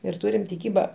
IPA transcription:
ɪr ˈtʊrʲɪm tʲɪˈkʲiːbɐ

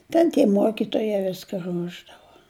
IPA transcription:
ˈtʲɛn tʲiɛ ˈmuɔkʲɪtuɔjɛ ˈʋʲɪskɐ ˈruɔʒdɐʋɐ

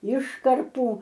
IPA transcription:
ˈɪʃkɐrpuː

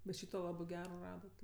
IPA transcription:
bʲɛt ˈʃʲiːtoː ˈlˠɑːbɜ ˈɡʲæːroː ˈrɑːdɐt

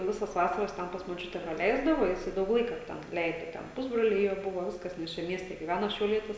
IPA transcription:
ˈʋʲɪsɐs ˈʋɑːsɐrɐs ˈtʲɛn pɐs moːˈt͡ʃʲʊtʲɛ prɐˈlʲɛɪzdɐʋoː ˈjɪsɐɪ ˈdɐʊk ˈlˠɐɪkɐ ˈtʲɛn ˈlʲɛɪdoː ˈtʲɛn ˈpʊzbroːlʲɛɪ ˈjoː ˈbʊʋoː ˈʋʲɪskɐs nʲɛs ˈt͡ʃʲɛ ˈmʲiɛsʲtʲɛ ɡʲiːˈʋʲænoː ʃʲɛʊˈlʲiɛtʲɪs

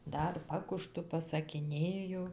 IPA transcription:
ˈdɐr ˈpɑːkʊʃtʊ pɐsɐkʲɪˈnʲeːjʊ

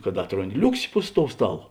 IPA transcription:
kɐt ˈɑːtroːnʲˌdʲɪ ˈlʲʊksʲɪ pʊs toːʊ ˈstɑːˌlˠoː

